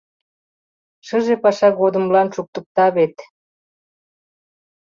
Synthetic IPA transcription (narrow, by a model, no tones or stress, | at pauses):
ʃəʒepɑʃɑɣod̪əmlɑnʃuk̚t̪ək̚t̪ɑβet̪